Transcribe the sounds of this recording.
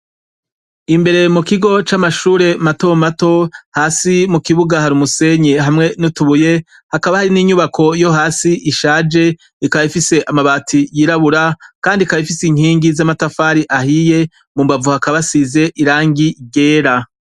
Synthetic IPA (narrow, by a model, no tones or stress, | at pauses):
imbe̞ɾe̞mukiɡo̞t͡ʃamaʃuːɾe̞mato̞mato̞haːsimukiβuɡahaɾumuse̞ɲeɦamŋe̞nutuβuje̞ | hakaβahaɾiniɲuβakʰo̞jo̞ɦaːsiʔiʃaːd͡ʒe̞ | ikaifise̞ʔamaβaːtʰijiɾaβuɾakaːndikajifisiɲ̥hiːŋɡizamatafaːɾiʔahije̞ | mumbavuhakaβasize̞ʔiɾaːŋɡiɟe̞ːɾa